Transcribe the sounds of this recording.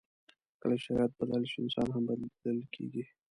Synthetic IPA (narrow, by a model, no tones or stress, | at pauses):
kəlaʃaɾɑjat̪̚balɑlɪʃɪ̰nsɑnɦambad̪əlkʰḛɡi